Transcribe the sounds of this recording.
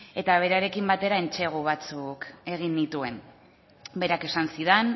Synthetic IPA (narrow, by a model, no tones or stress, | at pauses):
e̞t̪aβ̞e̞ɾaɾe̞kimbat̪e̞ɾae̞nt͡ʃe̞ɣ̞uβ̞at͡suke̞ɣ̞inːit̪ue̞m | be̞ɾake̞sansiðen